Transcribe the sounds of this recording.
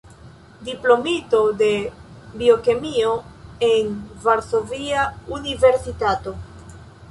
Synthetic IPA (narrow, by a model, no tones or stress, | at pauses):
diplo̞mito̞de̞ | bio̞kemio̞e̞nvaɾso̞viaunive̞ɾsitato̞